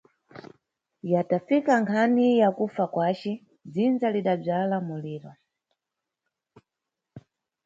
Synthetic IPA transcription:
jatafikaŋkʰanijakufakwat͡ʃɛ | d͡zind͡zaliɗab͡ʐalamuliːɾɔ

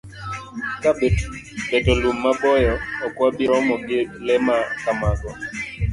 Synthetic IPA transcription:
kabɛtɔlumːabɔjɔɔkwabɪɾɔmɔɡɪlɛmakamaɡɔ

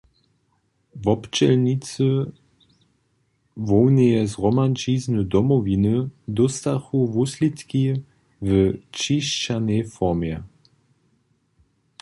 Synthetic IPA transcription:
vɔpt͡ʃɛlnit͡sə | vɔwnɛjɛzʁɔmant͡ʃiːznəd̪ɔmɔvinɨd̪ɔst̪axuvuslit̪ki | vət͡ʃiʃt͡ʃanɛjfɔʁmjɛ

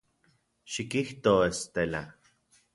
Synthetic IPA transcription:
ʃikiht̪oest̪ela̰

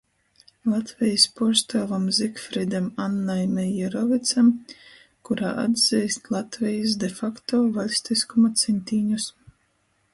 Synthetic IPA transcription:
lˠat̪vʲɛjispɔɾst̪avamzikfɾid̪amanːajmɛjɛɾɔvit̪sam | kuɾaːʔa̰d̪zɛjst̪lˠat̪vʲɛjis̬d̪ɛfakt̪ɔːvalʲsʲt̪iskumat̪sʲɛnʲt̪ʲiːɲus

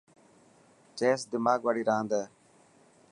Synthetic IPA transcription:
t͡ʃeːsd̪ɪmaːɡʋaːɽiːɾãːnd̪əː

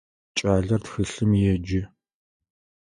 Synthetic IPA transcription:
t͡ʃʼaːɮɐrtxɨɬɨmjɛd͡ʒɪ

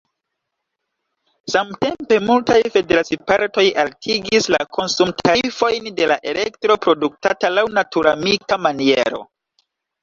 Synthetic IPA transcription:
samte̞mpe̞multajfe̞de̞ɾasipaɾto̞jaltʰiɡislakʰo̞nsumtʰaifo̞jnde̞laʔe̞le̞ktɾo̞pɾo̞duk̚ta̰talawnatuɾamikamanie̞̰ɾo̞̰

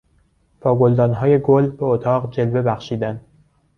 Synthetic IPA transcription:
pʰɒːɡold̪ɒːnɦɒːje̞ɡolbeot̪ʰɒːʁd͡ʒe̞lve̞bæxʃiːd̪æn

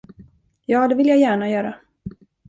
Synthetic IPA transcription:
jɑːd̪ɛvɪljajæːɳajœːɾa

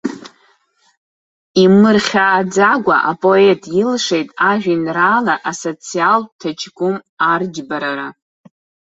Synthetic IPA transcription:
imɨrχʲaːd͡zaɡʷa̰ʔapʼo̞e̞tʼjɪlʂe̞jtʼaʒᶣinraːlaʔaso̞t͡sʰialtʰat͡ʃʰɡʷʊmard͡ʒbaɾaɾa

